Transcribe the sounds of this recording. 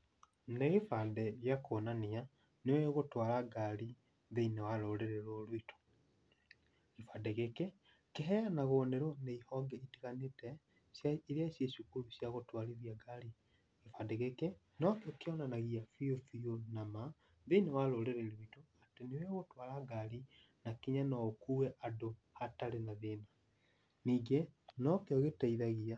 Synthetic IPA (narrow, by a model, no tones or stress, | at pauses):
neɣefandɛɾjakonania | neweɣotwalaɡali | ðeinewaloleɾeɾolwitʰo̥ | ɣefadeɣeke | keɦɛanaɣoneɾoneihɔɡɛitiɣanetɛ | ɾjaʃjeʃukuluʃjaɣotwaliðiaɡali | ɣefadɛɣeke | nɔkeɔkeɔnanaɣiafiofionama | ðenewaloleɾeɾitoatenewɛɣotwalaɡaɾi | nakiɲanɔkuɛʔado | hataɾenaðena | niːɡenɔkeɔɣetaiðaɣia